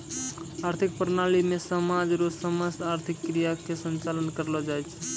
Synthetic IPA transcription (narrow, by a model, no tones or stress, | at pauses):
aɾt̪ʰik̚pəɾnalimesəmad͡ʒɾosəməst̪aɾt̪ʰikːɾijakesənt͡ʃalənkəɾlɔd͡ʒajt͡ʃʰ